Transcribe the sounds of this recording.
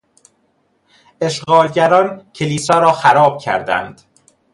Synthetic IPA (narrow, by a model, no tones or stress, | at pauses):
e̞ʃɢɒːlɟæɾɒːncʰeliːsɒːɾɒːxæɾɒːb̥̚cʰæ̰ɾd̪æ̰nd̪̥